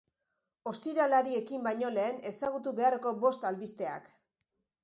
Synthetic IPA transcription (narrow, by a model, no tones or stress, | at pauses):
o̞st̪iɾalaɾie̞kimbajɲo̞le̞ːne̞saɣ̞ut̪̬uβe̞arko̞bo̞st̪alβist̪e̞a̰k